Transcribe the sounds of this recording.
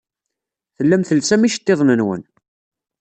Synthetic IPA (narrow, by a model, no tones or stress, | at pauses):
θəlːæmθəlsæmiʃə̥t̪ːeðˤnənwə̰n